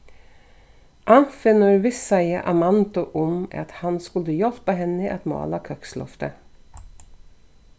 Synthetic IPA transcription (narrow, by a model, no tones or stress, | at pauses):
ʔɑfɛnɔɾʋɪsɑɪəʔɑmɑnt̪ʊʔɔmɑ̰t̪hɑnskʉləjɔlpəɦɛnəʔɛt̪mɑ̰ːlɑkʰœkslɔ̰ft̪ə